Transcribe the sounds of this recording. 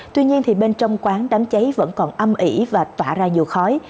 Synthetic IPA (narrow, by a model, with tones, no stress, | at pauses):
t̪wi˧ɲi˧ənt̪ʰi˨˩ɓe˧nt͡ɕɔ˧wŋ͡mkwaː˨˦ŋɗa˨˦mt͡ɕə˨˦jvə̰˧˥nkɔ˨˩nʔə˧mʔi˧˩vaː˨˩t̪waː˧˩zaː˧ɲi˨˩əwxɔ˨˦j